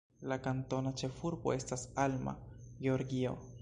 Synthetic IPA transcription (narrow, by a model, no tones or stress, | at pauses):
lakant̪o̞nat͡ʃe̞fuɾbo̞̰e̞stasalma̰ɡeoɾɡio̞̰